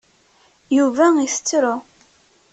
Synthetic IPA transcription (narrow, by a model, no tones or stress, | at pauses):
juvæiθə̥t͡sːɾʊ